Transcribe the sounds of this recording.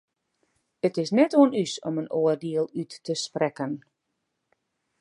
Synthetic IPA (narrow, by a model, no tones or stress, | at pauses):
ətɪsnɛtoənysɔ̰mənoːərdiəlˠytːəsprɛkən